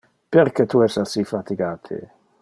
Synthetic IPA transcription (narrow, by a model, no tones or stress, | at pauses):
peɾkɛt̪uɛsasifat̪iɡaːt̪ʰḛ